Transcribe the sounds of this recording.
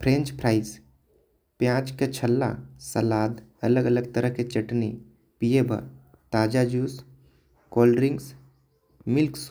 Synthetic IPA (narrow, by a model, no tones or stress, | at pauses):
pʰɾẽːnt͡ʃpʰɾaːɪs | pjãːt͡ʃket͡ʃʰəlːa̰səlaːd̪ələɡələɡt̪əɾəɦket͡ʃəʈne | pijebə̰ɾ | t̪aːd͡ʒad͡ʒuːs | kɔːlɖɾɪ̃ŋɡs | mɪlks